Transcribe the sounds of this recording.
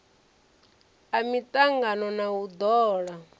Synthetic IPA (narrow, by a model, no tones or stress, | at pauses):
amit̪ʼaŋɡanɔnaud̪ɔːɺa